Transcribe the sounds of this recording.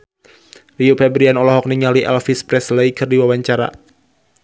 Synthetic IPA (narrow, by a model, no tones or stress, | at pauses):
riopʰɛbɾianɔlɔɦɔk̚niŋaliʔɛlfispɾɛsləikʰɨrdiwawaɲt͡ʃaɾa̰